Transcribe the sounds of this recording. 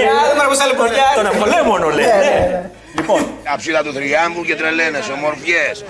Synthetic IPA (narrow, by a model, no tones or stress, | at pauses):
ɐðemeɾɐposɐlukoɾjɐt̪oneoleomonoleine | liponɐpsit̪ɐt̪uθɾiɐmbucet̪ɾelenesomoɾfʝes